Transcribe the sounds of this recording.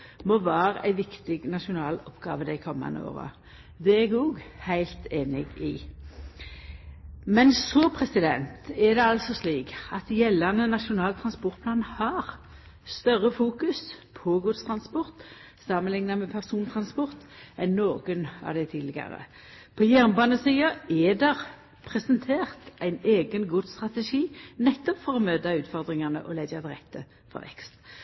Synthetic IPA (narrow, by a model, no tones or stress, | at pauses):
mɔʋæːɾəʔæ̰ɪʋɪkt̪ɪɡnɑʃʊnɑːlɔpɡɑ̰ːʋəd̪æɪkʰɔmːɑ̰nəo̰ːʁə̰ | d̪ɛɛɡ̪ɔɡhæɪlt̪eːnɪɡɪ | mɛnsɔpʰʁɛsɪd̪ɛnt̪æd̪ɛɑlsɔsliːkɑt̪jɛlːɑnənɑʃʊnɑːlt̪ʰʁɑnspɔʁt̪̚pʰlɑːnhɑːʁ | st̪œʁəfuːkʉspʰɔɡʊd̪st̪ʰɾɑnspɔʁt̪ | sɑmənlɪŋnɑmɛpʰæʁsuːnt̪ʰʁɑnspɔʁt̪ɛnːoːɡənɑ̰ʋd̪ɛɪt̪ʰiːlɪɡɑ̰ʁə̰ | pʰɔjæʁnbɑːnəsiːəɛːd̪ɛʁ | pʰʁɛsənt̪ʰeːʁt̪æɪneːɡənɡʊd̪st̪ʁɑt̪əʂiːnɛt̪ːɔpfɔʁɔmøːd̪ɑʉːt̪fɔʁd̪ʁɪŋɑnə̰ʔɔlɛɡɑd̪ɪʁɛkt̪ʰə̰ | fɔ̰ʁʋɛ̰kst̪